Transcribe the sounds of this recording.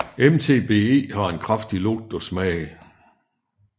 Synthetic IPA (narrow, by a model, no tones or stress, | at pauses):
emt͡sʰe̝̰ːb̥e̝̰ːe̝̰ːhɑ̈e̝nkʰʁafd̥iloɡ̥̚d̥ɒsmɛ̰ːɪ